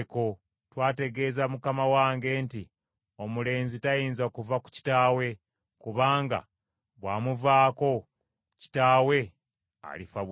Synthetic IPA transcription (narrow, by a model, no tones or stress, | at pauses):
ko̞ | twaːte̞ɡe̞ːzamukamawaːŋɡe̞ːnti | o̞mule̞ːnzitajiːnzaokuvaku̥ci̥taːwe̞ | kuβaːŋɡa̰ | βwaːmuvaːko̞ | ci̥taːwe̞ | a̰lifaβ